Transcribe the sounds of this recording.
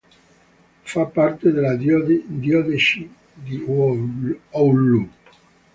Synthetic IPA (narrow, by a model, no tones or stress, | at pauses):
fapːart̪ed̪elad̪d̪jɔd̪eʃi | d̪i | aulːup